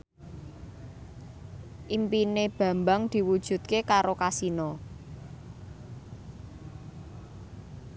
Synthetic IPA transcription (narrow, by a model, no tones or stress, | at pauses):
ʔimpineb̥ä̤mbaŋd̪̥i̤wud̥ʒ̥ṳt̪̚kekaɾokasinɔ